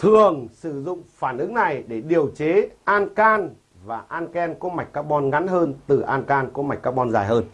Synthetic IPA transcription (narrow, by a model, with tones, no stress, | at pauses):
t̪ʰɨ˨˩əŋsɨ˧˩zʊ̰˧˨ŋ͡mfaː˧˩nʔɨ˨˦ŋna˨˩jɗe˧˩ɗi˨˩əwt͡ɕe˨˦ʔaː˧nkaː˧n | vaː˨˩ʔaː˧nkɛ˧nkɔ˨˦ma˨˩j̚kːaː˦˥k̚ɓɔ˧nŋa˨˦nɦəː˧nt̪ɨ˨˩ʔaː˧nkaː˧nkɔ˨˦ma˨˩k̚kːaː˦˥k̚ɓɔ˧nzaː˨˩jɦəː˧n